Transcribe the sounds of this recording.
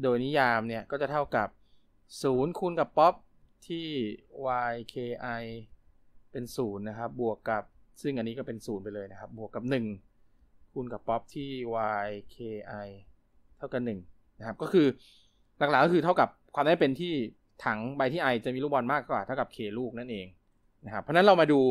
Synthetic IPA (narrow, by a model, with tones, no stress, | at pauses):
doː˧jni˦˥jaː˧mni˥˩ɐkɔː˥˩t͡ɕa˨˩t̪ʰa˥˩wka˨˩p̚ | suː˩˦nkʰuː˧nka˨˩pːɔ˦˥p̚ | t̪ʰiː˥˩waː˧jkʰeː˧ʔa˧j | pe˧nsuː˩˦nːa˦˥kʰa˦˥p̚bu˨˩əkːa˨˩p̚sɯ˥˩ŋʔa˧nːiː˦˥kɔː˥˩pe˧nsuː˩˦npa˧jlɤː˧jna˦˥kʰa˦˥p̚bu˨˩əkːa˨˩p̚nɯ˨˩ŋ | kʰu˧nka˨˩pːɔ˦˥p̚t̪ʰiː˥˩waː˧jkʰeː˧ʔa˧j | t̪ʰa˥˩wka˨˩nɯ˨˩ŋ | na˦˥kʰa˦˥kɔː˥˩kʰɯː˧ | la˨˩k̚la˨˩kːɔ˥kʰɯː˧t̪ʰa˥˩wka˨˩p̚kʰwaː˧mnd̪a˥˩pe˧nt̪ʰiː˥˩ | t̪ʰa˩˦ŋba˧jt̪ʰiː˥˩ʔa˧jt͡ɕa˨˩ʔmiː˧lu˥˩k̚bɔ˧nmaː˥˩kkwaː˨˩t̪ʰa˥˩ka˨˩p̚kʰeː˨˩luː˥˩k̚na˥˩nʔeː˧ŋ | na˦˥kʰa˦˥pʰːɔ˦˥na˦˥ɾa˧wmaː˧duː˧